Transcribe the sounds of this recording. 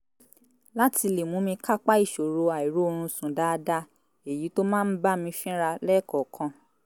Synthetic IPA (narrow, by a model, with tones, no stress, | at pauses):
la˦tʰi˧le˨mũ˨˦mĩ˧ka˦k͡pa˦i˦˨ʃo˨ɾo˧a˨i˨ɾo˨˦o˧ɾ̃ũ˧sũ˨da˦˧da˦ | e˨ji˨˦to˦mãː˦˨n̩˦ba˦mĩ˧fĩ˦ɾa˧lɛ˦˨kɔ˨kʰã˧